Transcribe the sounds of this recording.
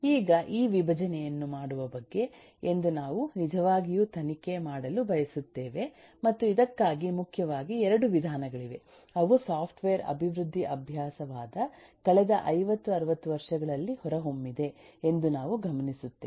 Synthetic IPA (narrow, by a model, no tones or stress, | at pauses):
iːɡɐʔiːʋibʱɐd͡ʒɐnɛjɐnːumaːɽuʋɐbɐɡːe̞ | end̪unaːʋunid͡ʒɐʋaːɡijuːt̪ʰɐnike̞maːɽɐlubʱɐjɐsut̪ːeːʋe̞ | mɐt̪ːuid̪ɐkːaːɡimukʰjɐʋaːɡiɛɾɐɽuʋid̪ʱaːnɐɡɐɭiʋe̞ | ɐʋusaːpʰʈʋeːɾɐ̰bʱiʋɾud̪ʱːiʔɐbʱjaːsɐʋaːd̪ɐ | kɐɭɛd̪ɐʔɐjʋɐt̪ːuɐɾɐʋɐt̪ːuʋɐɾʂɐɡɐɭɐlːihɔɾɐɦo̞mːid̪e̞end̪unaːʋuɡʱɐmɐnisut̪ːeː